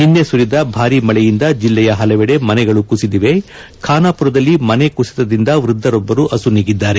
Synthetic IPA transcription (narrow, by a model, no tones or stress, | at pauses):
ninːesuɾid̪ɐbʱaːɾimɐɭɛjind̪ɐd͡ʒilːɛjɐɦɐlɛʋɛɽe̞mɐnɛɡɐɭukusid̪iʋe̞ | kʰaːnaːpuɾɐd̪ɐlːimɐne̞kusi̥t̪ɐd̪ind̪ɐʋɾud̪ʱːɐɾɔbːɐɾuʔɐsuniːɡid̪ːaːɾe̞